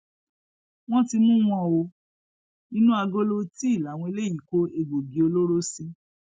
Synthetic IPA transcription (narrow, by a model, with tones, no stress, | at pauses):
w̃ɔ̃˦ti˧mũ˦w̃ɔ̃˧˨o˧ | nĩ˦nũ˦a˧ɡo˦lo˦ti˦i˦˨la˨˦˨w̃ɔ̃˧i˧le˦ji˨ko˦e˧ɡ͡bo˨bi˨˦o˧lo˦ɾo˦si˧